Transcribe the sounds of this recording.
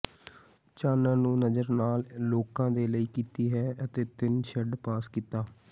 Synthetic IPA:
t͡ʃaːnãːnũːnəzəɾnaːlloːkãːd̪eːləiːkiːt̪iːɦɛːət̪eːt̪ɪnʃəɖpaːskiːt̪aː

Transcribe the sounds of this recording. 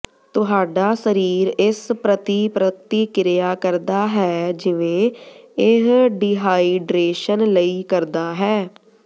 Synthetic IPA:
t̪ʊɦaːɖaːsəɾiːɾɪspɾət̪ipɾət̪ːiːkɪɾjaːkəɾd̪aːɦɛːd͡ʒɪʋẽːɪɦɖiːɦaːiːɖɾeːʃənləiːkəɾd̪aːɦɛː

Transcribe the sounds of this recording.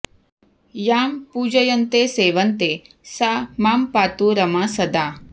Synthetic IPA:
jaːmpuːd͡ʒɐjɐnt̪eːseːʋɐnt̪e | samaːmpaːt̪uɾɐmasɐd̪aː

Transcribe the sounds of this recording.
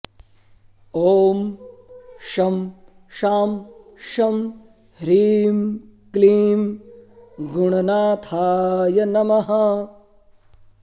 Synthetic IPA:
oːm | ʃɐm | ʃaːmʃɐm | ɾiːmkliːm | ɡuɳɐnaːt̪ʰaːjɐnɐmɐɦɐ

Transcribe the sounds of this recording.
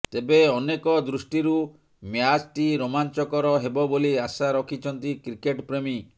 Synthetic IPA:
t̪ebeɔnekɔd̪ɾusʈiɾu | mjad͡ʒʈiɾomant͡ʃɔkɔɾɔɦebɔboliasaɾɔkʰit͡ʃʰɔnt̪ikɾikeʈpɾemi

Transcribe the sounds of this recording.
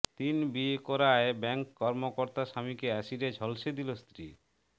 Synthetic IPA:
t̪inbiekoɾaebɛŋkːɔɾmokoɾt̪aʃamikeaʃiɾed͡ʑʱɔlʃed̪ilost̪ɾi

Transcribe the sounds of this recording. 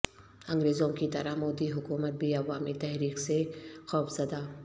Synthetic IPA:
ɐ̃ŋɡɾeːzõŋkit̪ɐɾəhmoːd̪iɦʊkuːmət̪̚bʱiɐʋaːmit̪ɛɦɾiːksexɔːfz̥ɐd̪aː

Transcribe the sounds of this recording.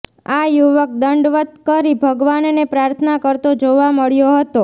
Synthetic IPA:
ajuʋək̚d̪əɳɖʋət̪̚kəɾibʱəɡʋannepɾaɾt̪ʰənakəɾt̪od͡ʒoʋaməɭjoɦət̪o

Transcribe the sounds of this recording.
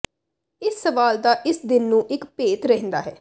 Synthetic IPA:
ɪsːəʋaːld̪aːʔɪsd̪ɪnːũːʔɪkpeːt̪ɾɛɦnd̪a̰ːɦɛː

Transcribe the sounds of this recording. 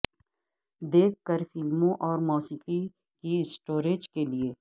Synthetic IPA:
d̪eːkʰːəɾfɪlmõʔɔːɾmoːsiːqi | kiɪsʈoːɾeːd͡ʒkelieː

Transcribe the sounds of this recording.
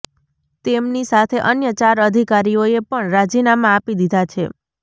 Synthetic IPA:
t̪emnisat̪ʰeʔənjət͡ʃaɾəd̪ʱikaɾioepəɳɾad͡ʒinamãːpid̪id̪ʱat͡ʃʰe

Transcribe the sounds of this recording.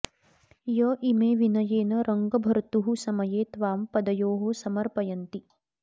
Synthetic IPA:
jɐʔimeːʋinɐjeːnɐɾɐŋɡɐbʱɐɾt̪uɦusɐmɐjeːt̪ʋaːmpɐd̪ɐjoːɦosɐmɐɾpɐjɐnt̪i

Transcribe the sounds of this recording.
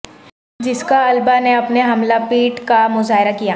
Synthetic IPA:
d͡ʒɪskaɐlbaneɐpneɦɐmlapiːʈkamʊzaːɦɪɾakija

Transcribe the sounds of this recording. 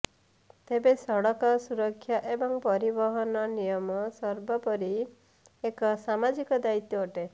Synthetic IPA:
t̪ebesɔɽɔkɔsuɾɔkʰːjaʔebɔŋpɔɾibɔɦɔnɔnijɔmɔsɔɾbɔpɔɾi | ekɔsamad͡ʒikɔd̪ait̪jɔoʈe

